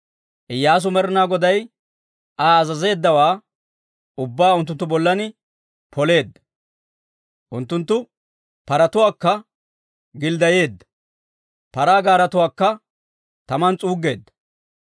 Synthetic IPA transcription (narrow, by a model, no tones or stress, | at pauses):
ʔɪjːaːs̬ʊmɛɾɪnaːɡɔd̪ɐj | ʔaːzɐze̞ːd̪ːɐwaː | ʊbːaːʊnt̪ːʊnt̪ːʊbɔlːɐnɪ | pʰɔle̞ːd̪ːɐ̥ | ʔʊnt̪ːʊnt̪ːʊ | pɐɾɐt̪ʊwaːkːɐ | ɡɪld̪ɐje̞ːd̪ːɐ̥ | pɐɾaːɡaːɾɐt̪ʊwaːkːɐ | t̪ɐmɐnt͡sʼuːɡe̞ːd̪ːɐ̥